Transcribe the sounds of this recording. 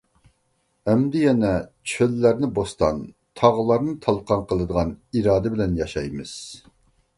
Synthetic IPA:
ɛmd̪ɪjɛnɛt͡ʃʰølːæɾnɪbost̪ɑ̰n | t̪ʰɑʁlˠɑɾnɨt̪ʰɑlˠqɑnqʰəlˠɨd̪əʁɑniɾɑːd̪ɛbɪlɛnjɑʃɑjmɨz̥

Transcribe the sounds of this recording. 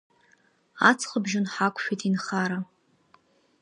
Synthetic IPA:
at͡sʰχəbʒɪnħakʷʼʃᶣijtʼinχaɾa

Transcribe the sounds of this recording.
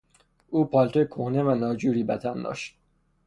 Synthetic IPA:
ʔuːpʰɒːlt̪ojekʰohne̞vænɒːd͡ʒuːɾiːbæt̪ʰænd̪ɒ̰ːʃt̪̚

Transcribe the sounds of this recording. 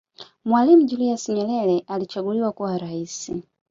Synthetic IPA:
mwalim̩uʄuliasiɲɛlɛlɛʔalit͡ʃaɡuliwakuwaɾaisi

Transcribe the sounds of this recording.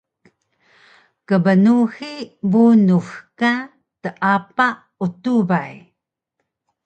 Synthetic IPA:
kəbənuxibunuxka | təʔapa | utubaj

